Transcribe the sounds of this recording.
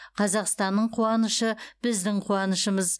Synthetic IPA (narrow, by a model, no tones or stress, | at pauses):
qʰɑzɑqst̪ɑnːəɴqʰuɑnəʃəb̥ɪzd̪ɪɴqʰuɑnəʃəməz